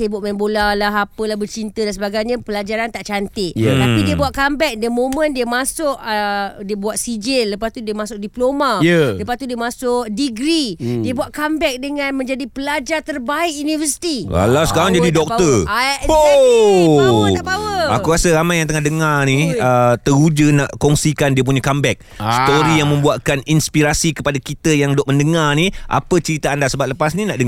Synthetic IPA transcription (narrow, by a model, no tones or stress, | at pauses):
sebʊʔ̚mɛmbolalaɦapəlahbərt͡ʃint̪ədansəbaɡajɲãpəlad͡ʒaɾant̪aʔt͡ʃant̪ɪʔt̪apidiəbuaʔkambɛk̚diəmõmə̃ndiəmasʊʔədiəbuaʔ̪̚sid͡ʒɪnləpast̪udiəmasʊk̚diplomajələpast̪udiəmasʊʔ̚diɡɾidiəbuaʔkambɛk̚dəŋãnmə̃ɲd͡ʒadipəlad͡ʒart̪ərbaɪkjunivəsi̥t̪ia̰lawsə̥kaɾaŋd͡ʒadidɔk̚t̪əo | akuɾasəɾamajaŋt̪əŋahdəŋaniət̪əɾud͡ʒənaʔkɔŋsikandiəp̬uɲakambɛk̚st̪oɾijaŋmə̃mbuaʔ̪kaninspiɾasikəpadakit̪əjaŋdɔʔ̚məndəŋarniʔa̰pət͡ʃəɾit̪aandasəbat̪ləpasnĩnaʔdəŋ